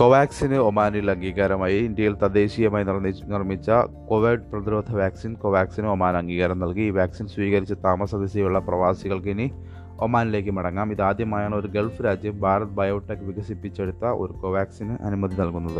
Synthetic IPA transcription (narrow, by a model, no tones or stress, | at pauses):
koʋaːksinɨomaːnilɐŋɡiːɣaːɾɐmaːjiːnd̪jɐjilt̪ɐd̪e̞ːɕijɐmaːjinirninirmit͡ɕːɐkoʋeɖprɐðiɾoːd̪ʱɐʋaːksinkoʋaːksinɨomaːnɐŋɡiːɣaːɾɐmnɐlkiiːʋaːksinswiːɣɐɾit͡ɕːɨt̪aːmɐsɐd̪ɐsɐjuɭːɐprɐʋaːsiɣɐɭkini | omaːnile̞ːk̬ːɨmɐɽɐŋːaːmiðaːd̪jɐmaːjaːɳo̞ɾuɡe̞lfɨɾaːd͡ʑjɐmbʱaːɾɐt̪ːbʱɐjɐʋuʈːekːɨʋiɣɐsipːit͡ɕːeɽut̪ːɐʔo̞̰ɾuko̞ʋaːksinɨʔɐ̰numɐd̪inɐlkunːɐðɨ